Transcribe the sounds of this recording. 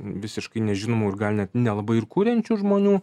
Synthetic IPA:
ʋʲɪsʲɪʃkɐɪnʲɛʒʲɪnoːmuːɪɾɡɐlʲnʲɛt̪nʲɛlˠɐbɐɪɪɾkuːɾʲɛnʲt͡ʃʲuːʒmoːnʲuː

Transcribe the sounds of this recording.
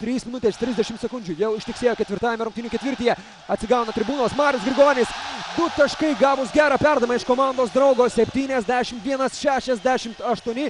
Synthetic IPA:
t̪ʲɾʲiːsmʲɪnʊt̪ʲeːst̪ɾʲɪzʲd̪ʲɛʃʲɪmt̪sʲɛkʊnʲd͡ʒʲʊjɛʊɪʃʲt̪ʲɪksʲeːjoːkʲɛt̪ʲɪɾt̪ɑːjɛmʲɛɾʊŋkt̪ʲinʲuːkʲɛt̪ʋʲɪɾʲt̪ʲiːjɛ | ɐt̪ʲsʲɪɡɑʊnɐt̪ʲɾʲɪbuːnoːsmɑːɾʲʊsɡɾʲɪɡoːnʲɪsd̪ʊt̪ɐʃkɐɪɡɑːʋʊsɡʲæːɾɐpʲæɾd̪ɐmɐɪʃkoːmɑˑnd̪oːsd̪ɾɐʊɡoːssʲɛpʲt̪ʲiːnʲɛzʲd̪ʲæːʃʲɪmt̪ʋʲiɛnɐsʃʲæːʃʲɛzʲd̪ʲæːʃʲɪmt̪ɐʃt̪uɔnʲɪ

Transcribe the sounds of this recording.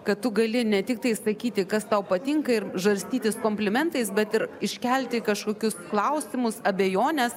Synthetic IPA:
kɐtt̪ʊɡɐlʲɪnʲɛt̪ʲɪk̚t̪ɐɪsɐkʲiːt̪ʲɪkɐst̪ɐʊpɐt̪ʲɪŋkɐɪɾʒʋɐɾʲsʲt̪ʲiːt̪ʲɪskoːmʲpʲlʲɪmʲɛnt̪ɐɪsbʲɛt̪ɪɾɪʃʲkʲɛlʲt̪ʲɪkɐʃkoːkʲʊsklˠɐʊsʲɪmʊsɐbʲejoːnʲɛs

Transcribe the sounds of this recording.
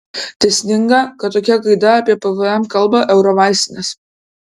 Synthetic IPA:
t̪ʲɛsʲnʲɪŋɡɐkɐt̪t̪ːoːkʲɛkɐɪd̪ɐɐːpʲiɛpɛʋɨɛmkɐlˠbɐʔɛʊɾoʋɑɪsʲt̪ʲɪnʲɛs

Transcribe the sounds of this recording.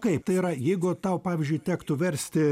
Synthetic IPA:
kɐɪp̚t̪ɐɪiːɾɐjɛɪɡʊt̪ɐʊpɑːʋʲɪzʲd͡ʒʲʊɪt̪ʲæːkt̪ʊʋʲɛɾʲsʲt̪ʲɪ

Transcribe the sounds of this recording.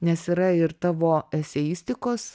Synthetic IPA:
nʲɛsiːɾɐɪɾt̪ɑːʋoːɛsʲɛjɪsʲt̪ʲɪkoːs

